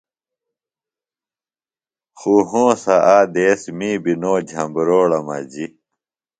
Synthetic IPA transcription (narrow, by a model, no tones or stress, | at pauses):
xuɦõːsaʔaːd̪eːsmibinoːd͡ʑʱɐ̃mbɾoːɽɐma̰d͡ʑi